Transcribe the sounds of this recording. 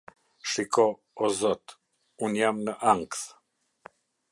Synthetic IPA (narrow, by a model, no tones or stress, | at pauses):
ʃikɔ | ɔzɔt̪ | unjamnəʔaŋkθ